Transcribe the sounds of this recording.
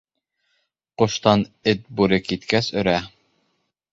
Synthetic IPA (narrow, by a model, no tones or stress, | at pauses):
qŏʃt̪ɑnɘt̪̚buɾɘkit̪kæsɵ̆ɾæ